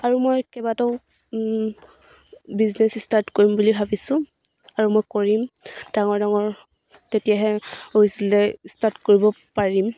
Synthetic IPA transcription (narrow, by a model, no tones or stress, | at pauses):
aɹumojkɛbatɔʊ | biznɛsstaɹtkoɹimbulibʱabisʊ̃ | aɹumojkoɹimd̥aŋɔɹdaŋɔɹ | tetijaɦɛoisiltɛstaɹtkoɹibɔ | paɹim